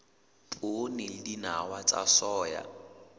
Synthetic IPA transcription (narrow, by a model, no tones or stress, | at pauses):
pʼonɪlɪdinawat͡sʼa̰sɔːja̰